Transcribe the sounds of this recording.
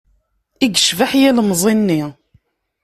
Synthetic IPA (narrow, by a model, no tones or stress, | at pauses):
iɡəʃvaħjæləmzˤinːi